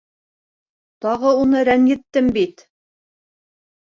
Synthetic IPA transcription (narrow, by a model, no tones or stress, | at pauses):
t̪ɑʁɤunɤɾænjɘ̆t̪ːɘmbit̪